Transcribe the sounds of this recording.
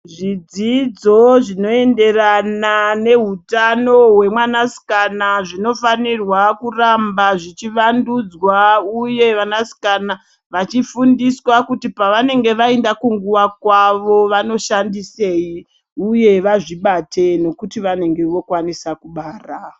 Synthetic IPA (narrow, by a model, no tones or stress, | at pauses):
ʐid͡zid͡zo̞ʐino̞e̞nde̞ranane̞ɦutano̞ɦwe̞mwanasi̥kanaʐino̞fanirwakurambaʐit͡ʃiʋandud͡zwauje̞ʋanasi̥kana | ʋat͡ʃifundiswakutipaʋane̞ŋɡe̞ʋaendakuŋɡuʋakwaʋo̞ʋano̞ʃandise̞ji | uje̞ʋaʐiɓatʰe̞no̞kutiʋane̞ŋɡe̞ʋo̞kwanisakuɓaːra